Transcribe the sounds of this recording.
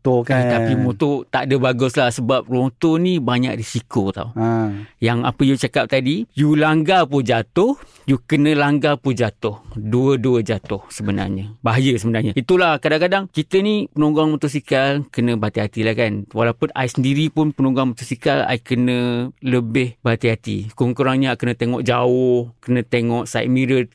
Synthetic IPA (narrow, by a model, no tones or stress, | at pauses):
okat̪apimot̪ot̪aʔdəbaɡʊslahsəbap̚rõt̪onibaɲa̰k̚risikot̪a̰ujaŋa̰pəjut͡ʃakap̚t̪adijulaŋɡapud͡ʒat̪ʊh | jukənə̃laŋɡapud͡ʒat̪ʊhduəduəd͡ʒat̪ʊhsəbəna̰rɲəbaɦajəsəbənarɲəit̪ulahkadaŋkadaŋkit̪ənipənõŋɡaŋmət̪ʊs̬ikalkənə̃bat̪iɦat̪ilahkanwalaupʊnʔa̰jsəndiɾipʊnpənɔ̃ŋɡaŋmət̪ʊsikala̰jkənə̃ləbɪhbat̪iɦat̪ḭkuŋkuɾaŋɲəakənət̪eŋɔʔd͡ʒaʊhkənə̃t̪eŋɔʔsajʔ̪̚miɾət̪̚